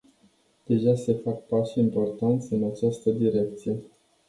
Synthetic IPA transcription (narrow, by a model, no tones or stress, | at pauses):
d̪̥e̞ʒase̞fak̚paʃimpo̞rt̪ant̪sʲɨnat͡ʃast̪əd̪iɾe̞k̚t̪sije̞